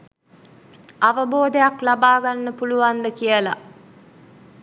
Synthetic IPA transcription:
aʋəboːd̪ejaklabaːɡanːəpuluʋand̪əkijəla̰

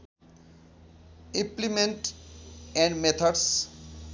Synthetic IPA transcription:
ĩmplimẽɳʈ | ɛ̃ɳɖmet̪ʰaɖs

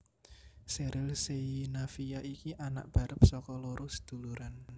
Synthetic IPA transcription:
seɾʔɪlsejinafijaikiʔana̰ʔ̚b̥a̤ɾəp̚sɔkɔloɾʊsd̪̥ṳluɾan

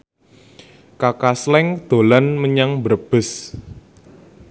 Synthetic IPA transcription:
kakaslɛŋd̪̥o̤lanməɲaŋbərb̥ɪ̤s

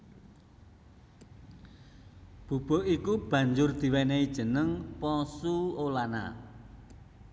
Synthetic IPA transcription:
b̥ub̥o̤ʔikub̥ä̤ɲd͡ʒʊrd̪̥i̤wɛneid̥ʒ̥ə̤nəŋpɔsuolana̰

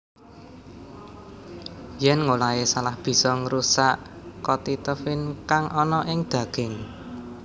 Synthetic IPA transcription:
jɛnŋolaesalahb̥i̤sɔŋɾusaʔkɔt̪it̪əfɪnkaŋʔɔnɔʔɪŋd̪̥ä̤ɡ̥ɛ̤ŋ

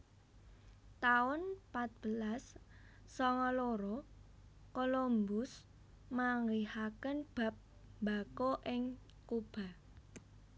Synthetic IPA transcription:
t̪aʊnpat̪̚b̥əlasː | ɔŋɔloɾɔ | kolombʊs | maŋlihakənb̥a̤p̚ | mbakoʔɪŋ | kub̥a̤

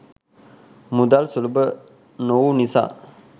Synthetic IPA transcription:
mud̪alsulbə | nowunisa̰

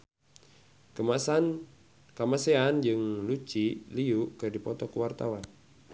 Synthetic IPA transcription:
kmsa | kamaseand͡ʒɨŋlut͡ʃiliuʔkɨrdipɔt̪ɔkuwart̪awan

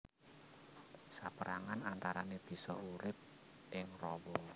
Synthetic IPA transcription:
sapəɾaŋanant̪aɾaneb̥i̤sɔ̰uɾɪp̚ | ʔɪŋrɔbɔ

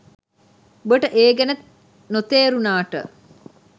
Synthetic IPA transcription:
bəʈəʔeːɡænət̪ | not̪eːɾunaːʈə̰

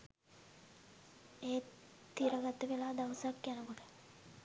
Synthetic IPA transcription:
eːt̪iɾɐɡat̪ːəʋelaːd̪aʋəsakjanəkoʈə̥

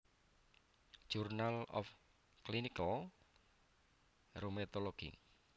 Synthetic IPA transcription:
ʒ̥urnalɔ̰f | kliniko | romet̪oloɡ̥ḭŋ

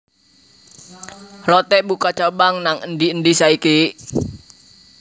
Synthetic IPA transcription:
lɔt̪ɛʔbukat͡ʃabaŋnaŋəndiəndisaiki

